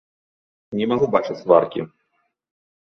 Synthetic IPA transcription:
nʲɛmaɣubat͡ʂɨt͡sʲva̰rkʲḭ

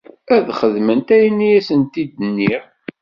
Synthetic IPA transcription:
æðχəðmənt̪æjinːijæsənt̪id̪ənːiʁ

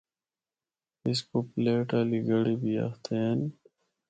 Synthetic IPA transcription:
iskopleːʈaːliɡəɽibiɐ̰xt̪ʰen

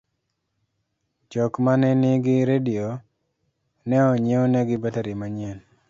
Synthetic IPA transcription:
t͡ʃɔkmanɛnɪɡɪɾedio | nɛɔɲeonɛɡɪbataɾimaɲen

